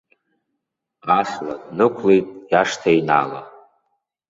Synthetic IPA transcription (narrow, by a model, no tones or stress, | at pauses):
asladnɨkʷʰlejtʼjaʂtʰaina̰la̰